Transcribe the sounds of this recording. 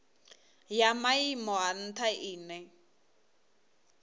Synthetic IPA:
jamaimɔan̩tʰaʔiːnɛ

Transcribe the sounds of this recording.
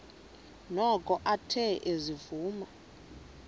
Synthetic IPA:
nɔkʼɔʔatʰɛʔezivuːma

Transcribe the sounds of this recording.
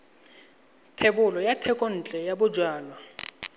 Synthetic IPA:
tʰebʊlɔjatʰɛkʼɔn̩t͡ɬʼɛjabʊd͡ʒwaːlɔ

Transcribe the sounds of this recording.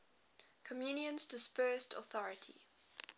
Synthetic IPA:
kʰɔmjuːnjə̃nzdɪspɜːˑstʰɔ̰θɔɹətʰḭ

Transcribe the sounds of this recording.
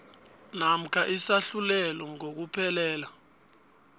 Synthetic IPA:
nam̩kʰaʔisaɬulɛlɔŋok̬upʰɛlɛːla

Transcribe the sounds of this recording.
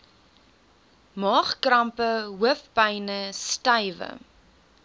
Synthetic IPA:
mɑːχkrɐmpəɦuəfpɐjnəstɐjvə̰

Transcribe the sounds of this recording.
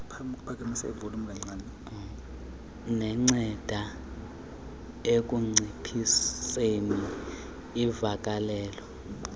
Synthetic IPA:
pʰapʰak̬ʰʼemisa̰ivulumulɛŋ͡ǀaːn | nɛŋ͡ǀɛd̥ʱa | ek̬ʼuŋ͡ǀipʰisseniː | vakʼalɛːlɔ

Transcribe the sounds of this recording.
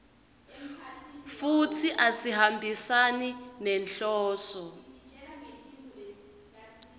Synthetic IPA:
futʰiʔasihambʱisaninɛnɬɔːsɔ

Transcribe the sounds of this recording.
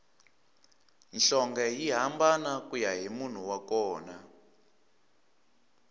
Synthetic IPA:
nɬɔŋɡajiɦambanakujaɦimun̤uwakɔːna

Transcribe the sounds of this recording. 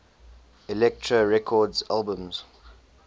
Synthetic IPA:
ɪlɛk̚tʰɹəɹɛkʰɔdzalbə̃mz̥

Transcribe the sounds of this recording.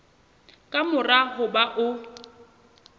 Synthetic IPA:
kʼamʊrahʊbaʔʊ

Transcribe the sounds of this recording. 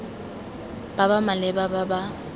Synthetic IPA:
b̥abamalɛbababa

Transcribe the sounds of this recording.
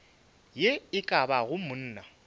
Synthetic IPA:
jeɪkʼabaɣʊmʊn̩ːna

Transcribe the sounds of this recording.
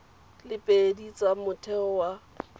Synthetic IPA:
lɪpʼedit͡sʼamʊtʰɛɔwa

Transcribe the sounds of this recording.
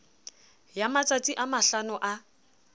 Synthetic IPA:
jamat͡sʼat͡sʼiʔamaɬanʊʔa

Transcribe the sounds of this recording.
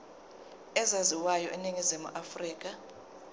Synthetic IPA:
ɛzaziwajɔ̰ʔɛniŋizimṵʔafriːk̬ʼa

